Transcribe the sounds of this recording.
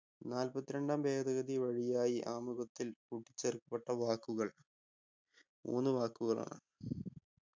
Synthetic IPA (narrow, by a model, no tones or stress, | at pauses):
naːlpɐt̪ːiɾeɳɖaːmbeːd̪ɐɣɐðiʋɐɻijaːjiʔaːmuɣɐt̪ːilkuʈːit͡ɕːerkːɐpːeʈːɐʋaːkːuɣɐɭ | mʔo̰ːnːɨʋaːkːuɣɐɭa̰ːɳɨ